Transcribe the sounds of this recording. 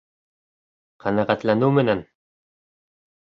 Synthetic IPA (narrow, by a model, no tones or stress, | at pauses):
qʰænæʁæt̪lænɘwmɘ̆næn